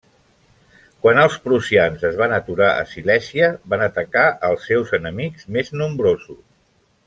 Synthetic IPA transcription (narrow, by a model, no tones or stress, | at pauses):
kwanəlˠspɾusianzəzβanət̪uɾaʔə̰silɛsiəβanət̪əkaʔəlˠsːewzənəmikz̥meznumbɾozus